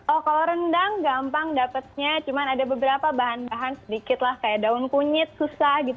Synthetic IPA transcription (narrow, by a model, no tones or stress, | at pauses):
ʔɔhkaloɾəndaŋɡampaŋdapət̪̚ɲat͡ʃumanadabəbəɾapabaɦanbaɦansədikɪt̪lahkajaʔdaʊnkuɲɪt̪̚susahɡit̪